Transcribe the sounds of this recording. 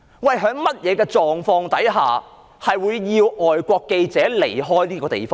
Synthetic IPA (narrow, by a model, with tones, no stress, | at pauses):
wɐ˨˩jɦœː˨˥ŋmɐ˥t̚jɛː˨˧kɛː˧t͡ʃɔː˨˧ŋfɔː˧ŋt̪ɐ˨˥jɦaː˨˩ | hɐ˨jwuː˨˧jːiː˧wʔɔː˨jkʷɔː˧kːe˧jt͡sɛː˨˥le˨˩jɦɔː˥jliː˥kɔː˧t̪ḛ˨˩jfɔː˥